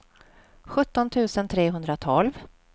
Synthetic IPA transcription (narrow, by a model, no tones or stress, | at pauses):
ɧɵt̪ːɔnt̪ʰʉ̟ːsənt̪ʰɾeːɦɵnd̪ɾat̪ʰɔlv